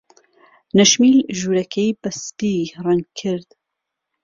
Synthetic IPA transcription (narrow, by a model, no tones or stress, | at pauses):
nɐʃmiːlʒuːɾɐkʰejbɐspirɛnkʰɪɾd̪̥